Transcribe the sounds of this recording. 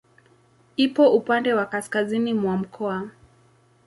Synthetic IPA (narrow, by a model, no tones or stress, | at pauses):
ipɔʔupandɛwakaskazinimwam̩kʰɔa